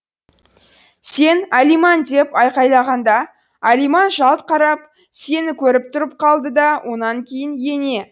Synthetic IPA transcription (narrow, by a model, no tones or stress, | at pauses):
se̞nælijmɑnd̪e̞pɑjqɑjlˠɑʁɑnd̪ɑ | ælijmɑnʒɑlˠt̪̚qʰɑɾɑp̚ | se̞nɪkʲʰɵɾɪp̚t̪ʰʊɾəp̚qʰɑlˠd̪əd̪ɑwʔo̞nɑŋkʲʰe̞jɪnje̞ne̞